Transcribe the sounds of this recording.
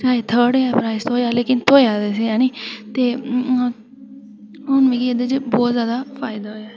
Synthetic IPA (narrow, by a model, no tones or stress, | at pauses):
t͡ʃaːit̪ʰəɾɖjpɾaːɪst̪oːjaːleːkɪnt̪ʰoːjaːd̪eːs̬ejaːniːt̪eː | ʊnʋiːɡied̪et͡ʃbɔːt̪zjaːd̪afaːɪd̪aːɦojaː